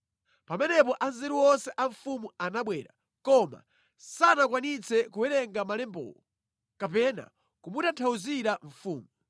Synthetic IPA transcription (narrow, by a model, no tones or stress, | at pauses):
pamɛnɛpɔʔanzɛɾuwɔnsɛʔaɱfumuanaɓwɛːɾa̰ | kɔma̰ | sanakwanit͡sɛkuwɛɾɛŋɡamalɛmbɔ̰ːlɔ | kapɛna̰ | kumutantʰauziɾaɱ̩fuːmu